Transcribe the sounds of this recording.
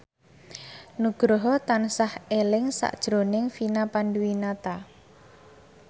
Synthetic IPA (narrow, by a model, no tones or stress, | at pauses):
nuɡ̥ɾɔɦɔt̪ansahelɪŋsa̰ʔd̥ʒ̥ɾonɪŋfinapanduwinat̪a